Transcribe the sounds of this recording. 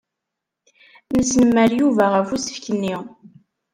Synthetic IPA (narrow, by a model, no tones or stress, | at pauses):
nəsnəmːəɾjuvæʁəfusə̥fkənːi